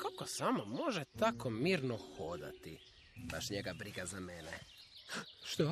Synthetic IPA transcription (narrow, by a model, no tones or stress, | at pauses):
kakosamomo̞ʒet̪akomiːɾnoxod̪a̰t̪i | baʃɲeɡabɾiɡazamene | ʃt̪o